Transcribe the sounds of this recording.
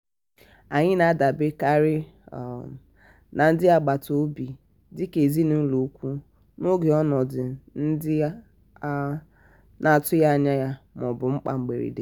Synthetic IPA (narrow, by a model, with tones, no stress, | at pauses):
a˨ɲɪ˦na˨˦da˨bɪ˦ka˦ɾɪ˦˨ | na˨n̩˦dɪ˦a˨ɡ͡ba˨to˦bi˨ | dɪ˦ke˨zi˦nʊ˦lu˨˦kʷu˦ | no˦ɡe˨ɔ˦nɔ˨dɪ˨n̩˦dɪ˦ | na˨tʊ˦ja˦a˦ɲa˦ja˦mɔ˨bʊ˨ŋ͡m̩˦k͡pa̰˦ŋ͡m̩˨ɡ͡bḛ˨ɾḭ˨dḛ˨